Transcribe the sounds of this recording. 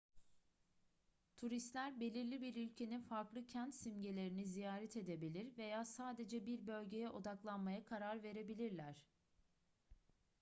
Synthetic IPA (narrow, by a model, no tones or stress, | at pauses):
t̪ʰuɾist̪lʲæɾbe̞lʲiɾlʲibiɾylʲcʰe̞ninfaɾklˠɯcʰænt̪simɟelʲe̞ɾinizijaːɾɛt̪ʰe̞d̪e̞bilʲiɾve̞jaːsaːd̪e̞d͡ʒɛbiɾbø̞lʲɟe̞jɛʔo̞d̪aklˠanmajakʰaɾaɾve̞ɾe̞bilʲiɾlʲæɾ̝̥